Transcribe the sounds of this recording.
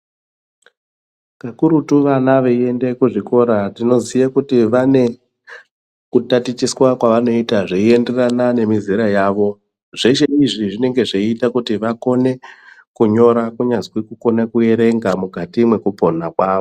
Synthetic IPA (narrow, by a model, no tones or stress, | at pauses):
kakuɾutuʋanaʋee̞nde̞kuʐiko̞ɾatino̞zijakutiʋane̞ | kutatit͡ʃiswakwaʋano̞itaʐeie̞nde̞ranane̞miziɾajaːʋo̞ | ʐeʃe̞iʐiʐine̞ŋɡe̞ʐeitakutiʋako̞ne̞kuɲo̞ɾakuɲazwikuko̞nakuje̞ɾe̞ŋɡamukatimwe̞kupo̞nakwaːʋo